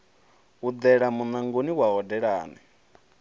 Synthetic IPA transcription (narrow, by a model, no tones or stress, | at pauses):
ud̪ɛɺamunaŋɡoniwaɦɔdɛɺa̰ːnɛ